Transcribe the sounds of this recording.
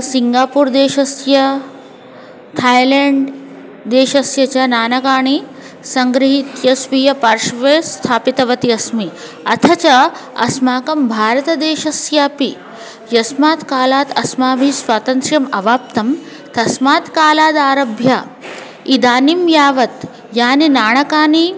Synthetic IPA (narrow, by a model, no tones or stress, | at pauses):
siŋɡaːpuːɾd̪eːʃɐsjɐ | t̪ʰaːjleːɳɖ | d̪eːʃɐsjɐt͡ɕaːnaːnɐkaːɳ̃i | sɐŋɡɾiɦit̪jɐsʋijɐpɐɾʃʋeːst̪ʰaːpit̪ɐʋɐt̪iɐsmi | ɐt̪ʰɐt͡ʃɐɐ̰smaːkɐmbʱaːɾɐt̪ɐd̪eːʃɐsjaːpi | jɐsmaːt̪kaːlaːt̪ɐsmaːbʱisʋaːt̪ɐnt̪ɾjɐmɐʋaːp̚t̪ɐm | t̪ɐsmaːt̪kaːlaːd̪aːɾɐbʱja | id̪aːnimjaːʋɐt̪ | jaːninaːɳɐkaːɳi